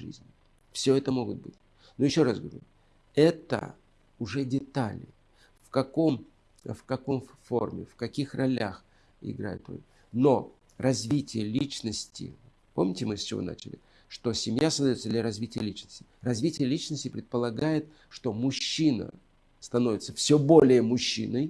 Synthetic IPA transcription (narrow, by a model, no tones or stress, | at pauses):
ʐɨ̰zʲnʲɪ | fsʲoɛt̪əmo̞ɡʊt̪̚bɨtʲ | nujɪɕːo̞ɾasɡəvɐ̰ɾʲʊ | ɛt̪ə̰ | ʊʐɛdʲɪt̪alʲɪ | fkɐko̞m | fkɐko̞mfo̞̰rmʲɪ̰fkɐkʲixrɐlʲax | ɪ̰ɡɾa̰jɪ̰t̪o̰ | no̞ | rɐzvʲitʲɪjəlʲit͡ɕnəsʲtʲɪ̰ | po̞̰mnʲɪtʲɪmɨst͡ɕɪvo̞̰na̰t͡ɕɪlʲɪ̰ | ʂt̪o̞sʲɪmjasəzd̪ɐjo̞t̪səd̪lʲaɾɐzvʲitʲɪjəlʲit͡ɕnə̥sʲtʲɪrɐzvʲitʲɪjəlʲit͡ɕnəsʲtʲɪpɾʲɪt̪̚pəlˠɐɡajɪt̪̚ | ʂt̪o̞mʊɕːinə̰ | st̪ɐno̞vʲɪt̪sə̥fsʲobo̞lʲɪjəmʊɕːḭnɨj